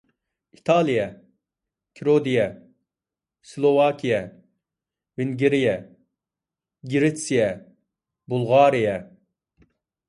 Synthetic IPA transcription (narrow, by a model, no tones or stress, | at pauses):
it̪ʰɑlˠijɛ | kʲʰiɾod̪ijɛ | slˠovɑːkʲʰijɛ | vɪŋɡʲiɾijɛ | ɡʲiɾet̪sijɛ | bulˠʁɑːɾijɛ